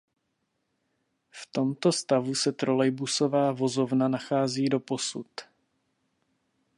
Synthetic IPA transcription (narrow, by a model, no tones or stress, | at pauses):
ft̪o̞mt̪o̞st̪avusɛt̪ɾo̞lɛjbuso̞vaːvo̞zo̞vnanaxaːziːdo̞po̞sut̪